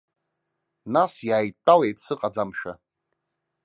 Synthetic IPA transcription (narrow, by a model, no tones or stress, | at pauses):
nasjaːjtʼalejtsɨqʼad͡zamʃᶣa̰